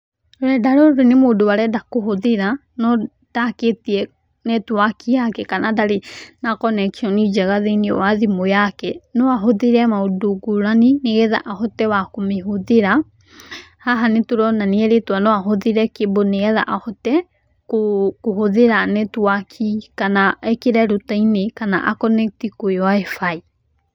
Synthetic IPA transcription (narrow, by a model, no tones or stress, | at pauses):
oɾɛdaɾoɾonemodowaɾɛdakohoðeɾa | nɔ | d̥aketiɛ | nɛtwakʰiakɛkanadaɾenakɔnɛkiɔnid͡ʒɛɣaðeniɔ̰waðimojakɛnɔaɦoðeɾɛmaodoɡuɾanineɣɛða̰ʔahotɛwakomeɦoðeɾa | haɦanetoɾɔnaniɛɾetwanɔaɦoðeɾɛkeboneɣɛða̰ʔahɔtɛ | kokohoðeɾanetwakʰikanaɛkeɾɛɾutainekana̰ʔakɔnɛk̚tikoewaefai